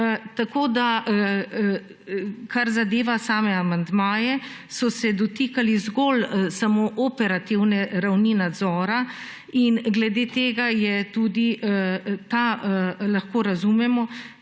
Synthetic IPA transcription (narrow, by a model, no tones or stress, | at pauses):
t̪akoːd̪a | kaɾzad̪eːʋasaːmɛamand̪maːjɛ | sɔsɛd̪ɔt̪iːkalizɡolsamoːʔopɛɾat̪iwnɛɾawninad̪zɔːɾa | inɡlɛd̪eːt̪eːɡajɛt̪uːd̪i | t̪alaxkoːɾazumɛmɔ